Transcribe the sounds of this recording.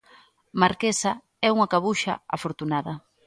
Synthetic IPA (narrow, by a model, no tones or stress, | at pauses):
maɾkesɐ | ɛuŋakaβuʃɐ̰a̰foɾt̪unaðɐ